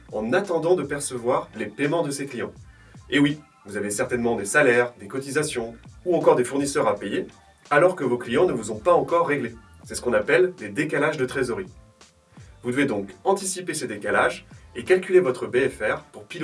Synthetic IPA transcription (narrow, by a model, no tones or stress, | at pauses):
ɑ̃nat̪ɑ̃d̪ɑ̃d̪əpɛʁsəvwaʁlepemɑ̃d̪əseklijɑ̃ | ewi | vuzavesɛʁt̪ɛnmɑ̃d̪esalɛʁd̪ekɔt̪izasjɔ̃uɑ̃kɔʁd̪efuʁnisœʁapeje | alɔʁkəvoklijɑ̃nəvuzɔ̃paɑ̃kɔʁːeɡle | sɛsə̥kɔ̃napɛlled̪ekalaʒd̪ət̪χezɔʁi | vud̪əved̪ɔ̃kɑ̃t̪isipesed̪ekalaʒekalkʲylevɔt̪χəbeɛfɛʁpuʁpil